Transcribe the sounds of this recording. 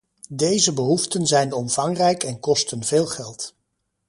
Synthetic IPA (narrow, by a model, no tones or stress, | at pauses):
dejzəbəɦuftənzɛjnɔmv̥ɑŋrɛjkɛnkɔstənveːlˠχɛlˠt